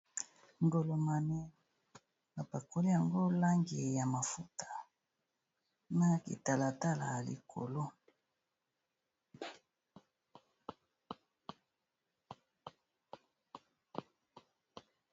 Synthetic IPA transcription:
ŋɡo˨lo˨ma˨nɛ˦ | ba˨pa˨ko˨˦li˦ja˨ŋɡo˦la˦ŋɡi˨ja˨ma˨fu˦tḁ˨ | na˦kḭ˨ta˨la˨ta˦la˨lḭ˨kʰo̰˨lo˦

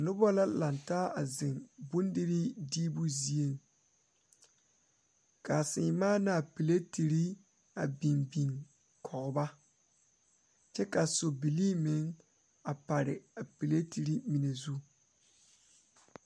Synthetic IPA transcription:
nʊ˦bɔ˦la˦la˨ntaː˦a˨zɪ˨ŋbʊ˦n˦dɪ˦ɾɪ˦diː˦bʊ˦zi˦e˦˨ŋ | ka˨sɪ˨˦maː˦na˨pi˨le˦ti˨ɾi˦ | a˨bi˨nbi˨ŋ | kʰɔ˨ɣʊ˨ba˦ | t͡ʃɛ˦ka˨so˨bi˨liː˦mɪ˨˦ŋ | a˨pa˨ɾɪ˨a˨pi˨le˦ti˨ɾi˦mi˨ne˨zu˦

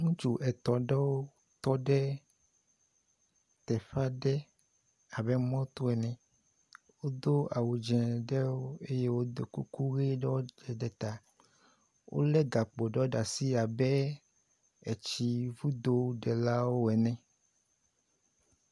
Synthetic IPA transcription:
ŋũ˦t͡ʃu˨ʔɛ˨t̪ɔ˨ɖɛ˦wo˦ | t̪ɔ˦ɖɛ˦ | t̪ɛ˨ɸa˦ɖɛ˦ | a˨bɛ˦mɔ̃˦t̪o˦ɛ˨nɛ̃˨ | wo˦d̪o˦a˨wo˨d͡ʒɛ̃˨ɖɛ˦wo˦e˦je˦wo˦d̪o˨ku˦ku˦ɣe˦ɖɔ˦d͡ʒɛ˨ɖɛ˨t̪a˨ | wʔo̰˦lɛ˦ɡa˨k͡po˨ɖɔ˦ɖa˨si˦a˨bɛ˦ | ɛ˨t͡ɕi˦vu˦d̪o˦ɖɛ˨la˦wo˦ɛ˨nɛ̃˨

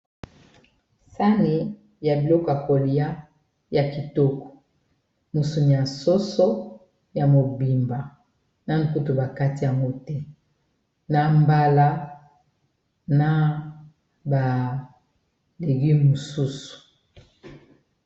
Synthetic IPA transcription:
sa˦ni˦ | ja˨bi˨lɔ˦kɔ˨a˨ko˨li˨˦a˦ | ja˨ki˨to˦kɔ̥˨ | mo˨su˨ni˨a˨nso˦so˦ | ja˨mo˨bi˨mba˨ | na˦n̩˨ku˦to˨ba˨ka˦ti˨ja˨ŋɡo˦tɛ˦ | na˦mba˦la˦ | na˦ | ba˨ | le˨ɡi˦mo˨su˦su̥˨

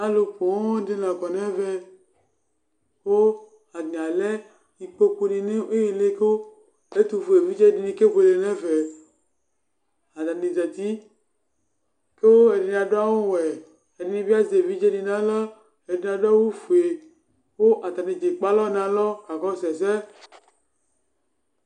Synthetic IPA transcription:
a˦lo˨ɸo˨wo˦di˦la˨kɔ˨nẽ˦ve˦ | wo˦ | a˨d̪ĩ˨a˨le˦ | i˨k͡po˦k͡pu˦nĩ˨ne˦o˦je˨le˦ke˦wo˦ | e˦t̪u˨fu˨e˨vi˦d͡ʒe˦di˨nĩ˨ke˦ɸe˨le˨nɛ̃˦ve˨ | a˨t̪a˨nĩ˨d͡ʒɛ˨t̪i˦ | ke˦wo˦e˨ɖi˨n˨a˨ɖo˦a˦wo˦wɛ˨ | e˨di˨nĩ˨vi˦a˦ze˨vi˦d͡ʒe˦nĩ˨nã˦le˦ | e˨de˨nã˨ɖo˦a˦wo˦fu˨e˨ | wo˦ʔa˨t̪a˨nĩ˨d͡ʒe˨k͡pa˦lɔ˦n˨ã˨lɔ˦ka˨kɔ˦sɛ˨s̬e˦

